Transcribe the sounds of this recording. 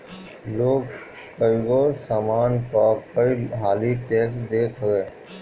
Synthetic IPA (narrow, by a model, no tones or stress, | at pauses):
loːɡ | kəiɡosaːmaːnkɔkəiɦaːliʈeːsd̪eːt̪ɦoɡeː